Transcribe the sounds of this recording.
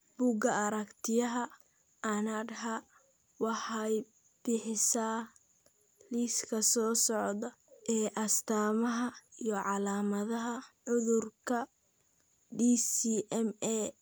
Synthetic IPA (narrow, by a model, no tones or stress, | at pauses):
b̥ʊɡɐɐɾɐkt̪ʰɪjɐɦɐ | ʔɐnaɖɦa | wɑħɑj | b̥ɪħɪsaː | liːskʰɐsɔːsɔʕðɐ | ʔɛːʔɐst̪ʰaːmɐɦɐijɞʕɑlaːmɐðɐɦɐʕʊðʊrkʰɐ | diːsiːʔɛmɛː